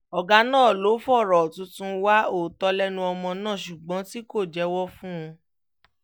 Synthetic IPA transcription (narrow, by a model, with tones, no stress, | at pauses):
ɔ˨ɡa˧˦nãː˦˨lo˨˦fɔ˦˨ɾɔ˨tũ˧˦tũ˧wa˦o˦˨tɔ˧lɛ˦nũ˧ɔ˧mɔ̃˧nãː˦˨ʃu˨ɡ͡bɔ̃˨˦ti˦ko˦˨d͡ʒɛ˨˦wɔ˦fũ˦ũ˧